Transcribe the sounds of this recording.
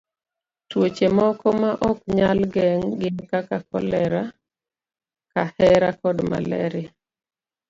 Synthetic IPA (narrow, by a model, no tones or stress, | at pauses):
twot͡ʃemɔkɔmaʔɔkɲalɡɛŋɡɪŋkakakɔlɛɾa | kahɛɾakɔdma̰lɛ̰ɾe